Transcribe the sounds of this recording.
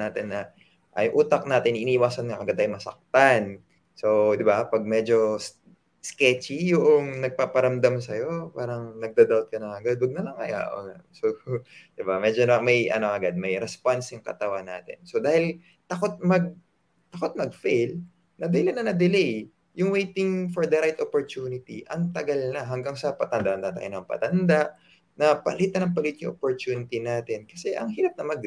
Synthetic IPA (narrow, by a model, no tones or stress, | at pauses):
naːt̪ɪnːɐ | ʔɐjʔuːt̪ɐk̚naːt̪ɪnʔɪniːʔɪwaːsɐnŋɐʔɐɡad̪ɐjmɐsɐ̰k̚t̪an | so̞d̪ɪbapɐɡ̚mɛd͡ʒo̞s | skɛt͡ʃijʊʔoŋnɐɡ̚paːpɐɾɐmd̪amsɐjo̞paːɾɐŋnɐɡ̚d̪ad̪awt̪̚kɐnɐŋɐɡad̪̚wɐɡ̚nɐlɐŋɐ̰ja̰ʔo̰ːŋasod̪̥ɪbamɛd͡ʒonmɐjʔɐ̰noŋɐɡad̪̚mɐjɾɛspansjʊŋkɐ̰t̪ɐwanːaːt̪ɪ̰nso̞d̪aːhɪl | t̪ɐkot̪̚mɐɡ̚ | t̪ɐkot̪̚mɐɡ̚fejl | nɐd̪ɐɪlɐnɐnɐd̪ɪlej | jʊŋwejt̪ɪŋfoɹd̪ɐɾajt̪ʔopoɹt̪uːnɪt̪iʔɐŋt̪ɐɡɐlnɐɦɐŋɡaŋsɐpɐt̪ɐnd̪aʔɐnd̪at̪a̰ʔɪ̰nɐɐŋpɐ̰t̪ɐnd̪aʔ | nɐpɐ̰lit̪nɐnɐŋpɐlit̪̚jʊŋʔopoɹt̪uːnɪt̪inaːt̪ɛnkɐsɛʔɐŋɦiːɾɐp̚nɐmɐɡ̚